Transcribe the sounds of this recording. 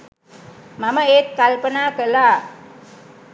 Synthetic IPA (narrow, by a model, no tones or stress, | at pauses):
maməeːt̪̚kalpənaːkəlaː